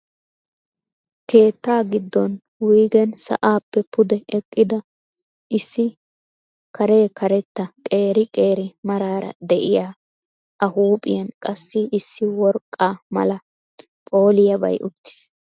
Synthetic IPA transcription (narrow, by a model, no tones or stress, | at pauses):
ke̞ːt̪ːaːɡɪd̪ːɔn | wiːɡɛnsɐ̰ʔaːpːɛpʊd̪ɛɛkʼːɪd̪ɐ | ʔɪsːɪ | kʰɐɾe̞ːkɐɾɛt̪ːɐkʼe̞ːɾɪkʼe̞ːɾɪmɐɾaːɾɐ̰d̪ɛʔɪjaː | ʔɐhuːpʼɪ̰jɐnkʼɐsːɪːsːɪwɔɾkʼːaːmɐ̰lɐ | pʼo̞ːlɪjɐbɐ̰jʔʊt̪ːɪ̥s